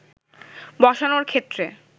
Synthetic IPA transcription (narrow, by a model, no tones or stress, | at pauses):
bɔʃanoɾkʰet̪ːɾe